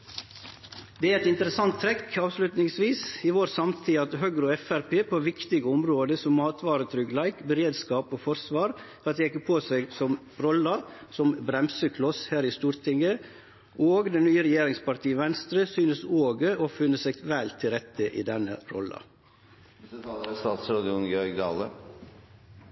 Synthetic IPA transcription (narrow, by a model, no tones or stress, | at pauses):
d̪ɛæɾɛt̪ɪnt̪əɾəsɑnt̪ːʰɾɛkːɑːʋslʉt̪nɪŋsʋiːsɪʋoːɾsɑmt̪ʰiːɑt̪ɦøɡɾoːɛfæɾpeːpʰoːʋɪkt̪ɪɡəɔmɾoːd̪əsɔmːɑːt̪ʋɑːɾət̪ʰɾʏɡlæɪkbəɾeːd̪skɑːpoːfɔɾsʋɑːɾfɾɑt̪jɛɪkːəpʰoːsæɡsɔm | ɾɔlɑsɔmbɾɛmsəkʰlɔshæːɾɪst̪uːɾt̪ʰɪŋə | ʔoːɡd̪ɛnyːəɾɛjeːɾɪŋspɑɾt̪ʰiːəʋɛnst̪ɾəsyːnəsoːɡəofʏnːəsɛɡʋælt̪ʰɪlɾɛt̪ʰːəʔɪ̰d̪ɛnːəɾɔ̰lːɑ̰ | ɑlst̪ɑːt̪sɾɑːd̪ɪʊnɡjœɾɡd̪ɑːlə̰